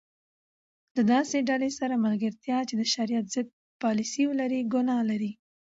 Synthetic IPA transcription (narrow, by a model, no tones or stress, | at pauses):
ləd̪ɑseɖalesaɾamalɡaɾt̪jɑt͡ʃed̪əʃaɾijat̪z̥ɪd̪̚ | pɑlisiwəlaɾiɡʊnɑlaɾi